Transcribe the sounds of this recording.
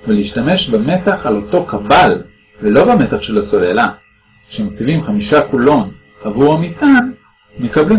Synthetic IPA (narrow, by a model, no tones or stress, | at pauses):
veleiʃtame̞ʃbeme̞taχalo̞to̞kabal | velo̞bame̞taχʃe̞laso̞lela | kʃemot͡sivimχamiʃakulo̞n | havuʁamitan | mekabli